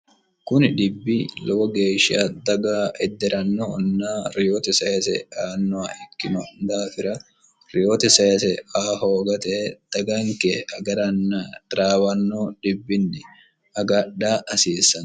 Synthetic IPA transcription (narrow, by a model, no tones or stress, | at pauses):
kʊnɪᶑɪbːilɔwɔɡeːʃɪad̪ɐɡaːʔɛd̪ːɛɾɐnːɔːnːaːɾɪjoːt̪ɛsɐɛsɛ̰aːnːɔaɛkːɪnɔnd̪aːfɪɾɐ | ɾɪjoːt̪ɛsɐɛsɛaːɦoːɡɐt̪ɛd̪̥ɐɡaːŋkɛʔɐɡɐɾɐnːaɾaːwɐnːoːᶑɪbːɪnːɪ | ɐɡɐᶑaːʔɐsiːsːɐn